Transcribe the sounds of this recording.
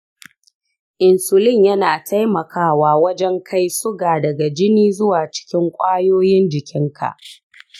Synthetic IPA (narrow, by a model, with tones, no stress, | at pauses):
ʔɪ˨nsʊ˨lɪ˦˨ɲjɐ˦naː˨tʰa˦jmɐ˨kaː˦waː˦wɐ˦d͡ʒɛ˦ŋkʰa˦jsʊ˦ɡaː˨dɐ˨ɡa˨d͡ʒɪ˦niː˦zʊ˦waː˨t͡ʃɪ̥˦kʲɪ˦ŋkʷʼaː˦joː˦jɪ˦nd͡ʒɪ˨kʲɪ˦ŋkʰa̰˨ʔ